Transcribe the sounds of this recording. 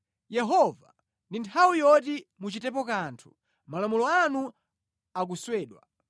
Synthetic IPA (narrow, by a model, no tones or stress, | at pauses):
jɛɦɔva | ndintʰawijɔtimut͡ʃitɛp̬ɔkaːntʰu̥ | malɔmɔlɔanu | ak̬uswɛːɗwa̰